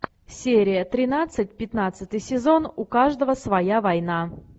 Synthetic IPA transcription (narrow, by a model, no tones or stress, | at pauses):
sʲeɾʲɪjət̪ɾʲɪnat̪sɨt̚ʲpʲɪt̪nat̪sɨt̪ɨjsʲɪzo̞nʊkaʐd̪əvəsvɐjavɐjna